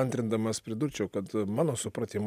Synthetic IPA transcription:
ɐnʲt̪ʲɾʲɪnd̪ɐmɐspʲɾʲɪd̪ʊɾʲt͡ʃʲɛʊkɐt̪mɑːnoːsʊpɾɐt̪ʲim

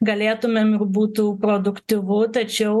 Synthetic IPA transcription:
ɡɐlʲeːt̪ʊmʲeːmɪɾbuːt̪uːpɾoːd̪ʊkt̪ʲɪʋʊt̪ɐt͡ʃʲɛʊ

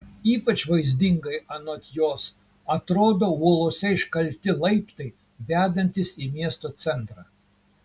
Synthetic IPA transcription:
iːpɐt͡ʃʋɐɪzʲd̪ʲɪŋɡɐɪɐnoːt̪ʲjoːs | ɐt̪ɾoːd̪oːuɔlˠoːsʲɛɪʃkɐlʲt̪ʲɪlˠɐɪpt̪ɐɪ | ʋʲæːd̪ɐnʲt̪ʲɪsiːmʲiɛst̪oːt̪sʲɛnt̪ɾɑː

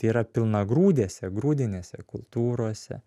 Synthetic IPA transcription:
t̪ʲːiːɾɐpʲɪlˠnɐɡɾuːd̪ʲeːsʲɛɡɾuːd̪ʲɪnʲeːsʲɛkʊlˠt̪uːɾoɔsʲɛ̰

